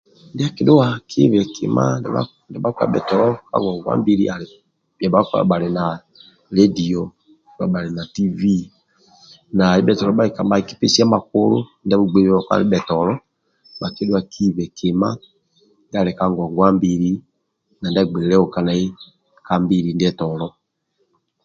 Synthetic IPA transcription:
ndi˦a˦ki˨do˦wa˨kʰi˦βɛ˨kʰḭ˨ma̰˦nɛa̰ | ndɛ˨ba˦ka̰˨ɓɛ̰˨tɔ˨lɔ˦ka̰˦ŋɡɔ˨ŋɡwa̰˦mbi˦ɾi˦a˨ | a˨ba˦kɓa˨ɾe˨na˨ | ɾe˦di˨ɔ˦ | a̰˨ɓa˨ɾe˨na˨ti˦vi˦ | na˨i˦ɓɛ˨tɔ˨lɔ˨˦ba˦ɾi˨ka˨ma˨i˨ki˦pi˦si˦a˦ma˨k̚u˦ɾo̰˦ndɛ˦βu˨ɡ͡be˨ɾɛ˦ɔ˨ka̰˦ɾi˦ɓɛ˨tɔ˨lɔ˦ | ɓa˨ke˦dwa˨kʰi˦βɛ˨kʰe˨ma̰˦ | nda˨ɾɛ˨ka˦ŋɡɔ˨ŋɡwa˦mbi˦ɾi˦ | na˨ndɛ˦ɡ͡be˨ɾɛ˨ɾɛ˦ɔ˨ka˦na˨i˦ | ka˦mbi˦ɾi˨ndɛ˦tɔ˨lɔ˦

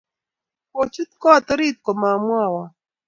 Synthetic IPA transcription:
ko˨t͡ʃu˦t̪̚kɔ˦˨t̪ɾi˦t̪̚kɔ˨ma˨mwa˦˨wa˨

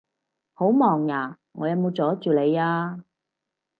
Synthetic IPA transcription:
ho˨˥wmɔː˨˩ŋjaː˨˩ | ŋɔː˨˧jɐ˨˧wmo˨˧wt͡sɔː˨˥t͡ʃyː˨le˨˧jaː˧

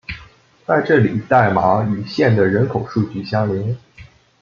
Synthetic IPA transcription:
t͡sa˥˧ɪʈ͡ʂɤ˥˩li˨˩t̪a˥˩ɪma˧˥y˨˩ɕjɛ˥˩nd̪ə˩ɻə˧˥nkʰo˨˩ʊʂu˥˧t͡ɕy˥˩ɕjɑ˥ŋli˧˥n

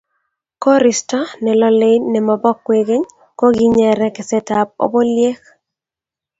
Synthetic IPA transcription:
kɔ˦ɾɪ˨stɔ˦nɛ˨lɔ˦le˦jnɛ˨mɔ˨bɔ˦kːwe˦ɡe˦ɲ | ko˦ɡi˦ɲɛ˨ɾɛ˦kɪ˨sɛ˦ta˨p̚o̰˦bo˦lje˦k

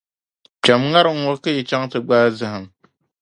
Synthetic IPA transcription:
t͡ʃa˨mŋa˦ɾɨ˦ŋ̩˦˨ɔ˦ka˦ji˨t͡ʃa˦ŋtɨ˨ɡ͡baː˦zɨ˨ɦɨ˨ŋ

